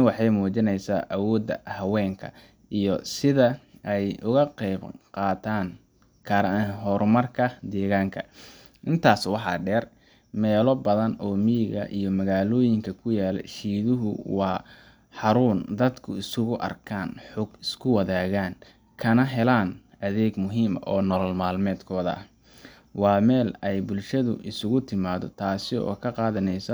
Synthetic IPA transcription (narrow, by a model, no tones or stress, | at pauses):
wɑħɑjmuːt͡ʃɪnɛjsaːʔɐwɔːd̪ːɐhɐwɛːŋkʰɐ̰ | ijɔsɪðɐʔɛjʊɣɐqɛjbqɑːt̪ʰaːn | kʰɐɾɐɦɔrmɐrkʰɐd̪ɛːɣaːŋkʰɐ̰ | ʔɪnt̪ʰaːswɑħɑ̰ɖɛːr | mɛːlɔbɐðɐnɔːmiɣɐ̰ʔḭjɔmɐɣaːlɔːjɪŋkʰɐkʰʊjaːlɛ̰ʃiːðʊɦʊwɑː | ħɑɾuːnd̪ɐd̪kʰʊɪsʊɣʊʔɐ̰rkʰaːnħʊɡɪskʰʊwɐðaːɣaːn | kʰɐnɐɦɛlaːnʔɐðɛːɡmʊɦiːmɐ̰ʔɔːnɔlɔlmaːlmɛːd̪kʰɔːðɐʔ | wɑːmɛːlɛjbʊlʃɐðʊ̰ʔɪsʊɣʊt̪ʰɪmaːðɔ̰t̪ʰaːsɪɔ̰ːkʰɐqɑːðɐnɛjsɔ